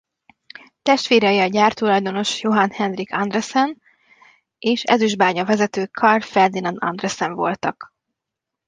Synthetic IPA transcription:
t̪ɛʃt̪ʋeːɾɛjiɒɟaːrt̪ulɒjd̪o̞no̞ʃjoɦɒnhɛnrikɒnd̪rɛsɛn | eːʃɛ̰zyʒbaːɲɒvɛzɛt̪øːkʰɒrfɛrd̪inɒnɒ̰nd̪rɛsɛɱvo̞lt̪ɒk

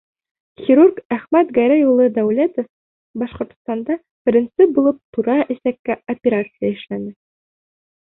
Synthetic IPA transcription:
xʲiɾurkæχmæt̪ɡæɾæjulˠɤd̪æwlæt̪of | bɑʃqŏɾt̪ŏ̥st̪ɑnd̪ɑ | b̥ɘ̆ɾʲɘ̆nt̪sɘp̚bulˠɤp̚t̪uɾɑʔɘ̆sækːæopʲeɾat̪sɨjəɘ̆ʃlænɘ

